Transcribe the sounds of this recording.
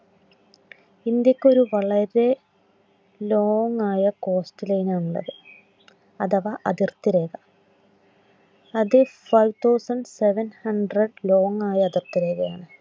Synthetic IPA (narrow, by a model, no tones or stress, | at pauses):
ind̪jɐkʲːo̞ɾuʋɐɭɐɾe̞ | lo̞ːŋaːjɐko̞ːsʈɐlɐjinaːɳuɭːɐ̰ðɨ | ɐðɐʋɐʔɐðirt̪iɾeːɣɐ | ɐðɨfɐjʋt̪ʰɐwsɐnɖseʋɐnhɐɳɖrɐɖlo̞ːŋaːjɐɐðirt̪iɾeːɣɐjaːɳɨ